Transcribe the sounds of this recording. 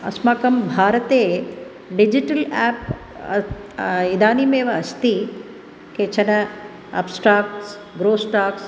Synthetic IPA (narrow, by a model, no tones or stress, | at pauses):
ɐ̰smakɐmbʱaːɾɐt̪eː | ɖid͡ʒiʈɐlɛːp | id̪aːnimeːʋɐɐst̪i | keːt͡ʃɐnɐ | ɐ̰psʈɾaːkʈs | ɡɾoːsʈaːks